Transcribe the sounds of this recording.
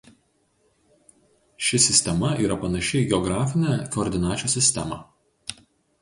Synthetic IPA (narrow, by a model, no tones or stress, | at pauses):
ʃʲɪsʲɪsʲt̪ʲɛmɐiːɾɐpɐnɐʃʲɪɡʲɛɔɡɾɑːfʲɪnʲɛkoːɾʲd̪ʲɪnɑːt͡ʃʲuːsʲɪsʲt̪ʲɛmɑ̰ː